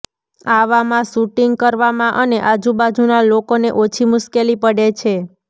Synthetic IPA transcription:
aʋamãʃuʈiŋɡ̚kəɾʋamãʔəneʔad͡ʒubad͡ʒunalokonḛʔot͡ʃʰimʊʃkelipəɽet͡ʃʰe

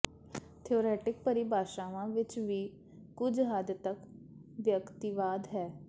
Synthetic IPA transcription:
t̪ʰioːɾɛːʈɪk̚pəɾibʱaːʃaːʋãːʋɪt͡ʃʋiː | kʊd͡ʒɦaːd̪t̪ək | ʋjəkt̪iʋaːd̪ɦɛː

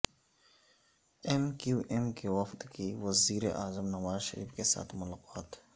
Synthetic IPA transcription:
enkuʔemkewɐft̪kʰiwɐziːɾḛʔaːzəmnɐwaːzʃɐ̰ɾḭːfkesa̰ːt̪ʰmʊlaːqɑːt̪

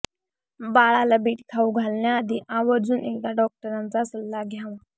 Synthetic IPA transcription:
baɭalabiːʈkʰauɡʱalnjaːd̪iʔaʋəɾd͡zuːnʔekkaɖɔk̚ʈəɾant͡sasəlːaɡʱjaʋa

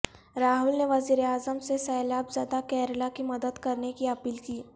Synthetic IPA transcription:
ɾaːɦʊlneʋɐziːɾeaːzəmsesɛːlaːbzjaːd̪akɛːɾlakimɐd̪əd̪kɐɾnekiɐpiːlkiː

